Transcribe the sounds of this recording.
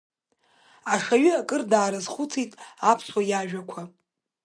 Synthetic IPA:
aʂaɥɨakʼɨrdaːɾɨzχut͡sʰitʼapʰswajaʒᶣakʷʰa

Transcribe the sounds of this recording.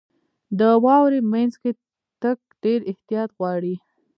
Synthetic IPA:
d̪əwɑwɾemanzke | t̪ək̚ɖeɾɪht̪ijɑt̪ɣwɑɽi

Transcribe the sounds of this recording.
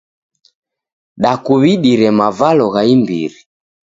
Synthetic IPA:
ɗakuβiɗiɾɛmavalɔɣaimbḭɾi

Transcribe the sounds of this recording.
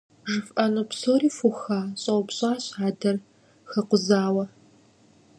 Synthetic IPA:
ʒɨfʔɐnupsoːɾiːfʊxaːɕʼɐwpɕʼaːɕaːdɐr | xɐqʷʊzaːwɐ

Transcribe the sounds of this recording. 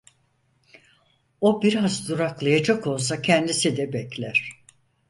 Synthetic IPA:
o̞biɾazd̪uɾaklˠajad͡ʒako̞lˠs̬acʰɛnd̪isid̪ɛbɛclʲæɾ̥

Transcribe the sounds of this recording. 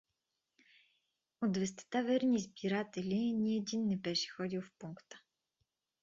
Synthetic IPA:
od̪vɛs̬t̪ɛ̥t̪avɛɾnʲizbiɾat̪ɛlʲinʲiɛd̪inːɛbɛʃɛ̥xɔd̪ilˠfpuŋkt̪ə̥

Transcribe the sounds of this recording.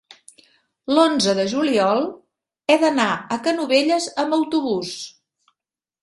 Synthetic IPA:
lonzəðəʒuliɔlˠ | ɛðənaəkənuβeʎəzəmbəwt̪uβus

